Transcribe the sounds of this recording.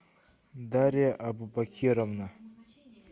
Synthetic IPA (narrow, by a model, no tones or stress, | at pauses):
d̪aɾeʔabubakʰiɾamna